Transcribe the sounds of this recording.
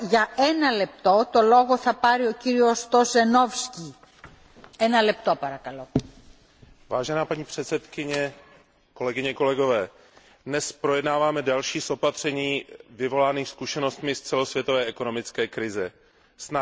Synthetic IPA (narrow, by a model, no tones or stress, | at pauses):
ʝɐɛnɐlep̚t̪o̞t̪o̞lo̞ɣo̞θɐpɐɾio̞ciɾio̞st̪ozeno̞fsci | ɛnɐlep̚t̪o̞pɐɾɐkɐlo̞ | vaːʒɛnaːpaɲiːpr̝̥ɛt̪sɛt̪kɪɲɛ | ko̞lɛɡɪɲɛko̞lɛɡo̞vɛː | dnɛspɾo̞jɛdnaːvaːmɛdalʃiːsʔo̞pat̪r̝̥ɛɲiːvɪvo̞laːniːxskuʃɛno̞st̪mɪst͡sɛlo̞svjɛt̪ovɛːɛko̞no̞mɪt͡skɛːkɾɪzɛ | sna